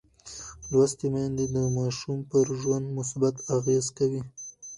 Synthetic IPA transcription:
lwast̪imand̪ed̪əmɑʃumpəɾʒwand̪mʊsbat̪aɣezkawi

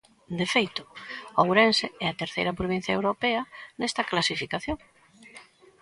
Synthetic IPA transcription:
d̪efejt̪ʊawɾenseɛɐt̪eɾθḛjɾɐpɾoβ̞ĩn̟θjɐewɾopɛɐnɛst̪ɐklasifikaθjoŋ

